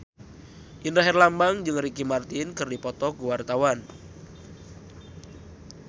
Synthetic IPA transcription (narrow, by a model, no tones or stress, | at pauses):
ʔinraɦɛrlambaŋd͡ʒɨŋɾikimart̪inkɨrdipɔt̪ɔɡuwart̪awan